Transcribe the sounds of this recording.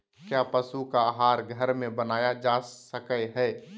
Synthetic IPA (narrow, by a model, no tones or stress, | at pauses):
kjapəsukaaːɦaːɾɡʱəɾmẽbənaːjad͡ʒaːsəkəɦɛː